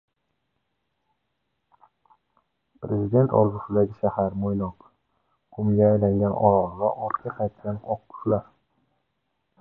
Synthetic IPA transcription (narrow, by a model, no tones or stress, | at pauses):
pɾezid̪e̞nt̪ʰɒ̰lˠzʊsɪd̪aɡʲɪʃahaɾmojnɒq | kʰʊmɡʲaːjlaŋɡʲanʔɒ̰ɾɒlˠʁaʔɒt̪kʰʲaqʰɑjt̪ʰkʲanʰɒq̚kʰʊ̥ʃlaɾ